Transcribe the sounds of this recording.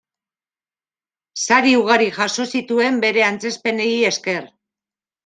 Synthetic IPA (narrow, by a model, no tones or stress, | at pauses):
saɾiuɣaɾiʝaso̞sit̪ue̞mbe̞ɾe̞ant͡se̞spe̞ne̞ie̞ske̞r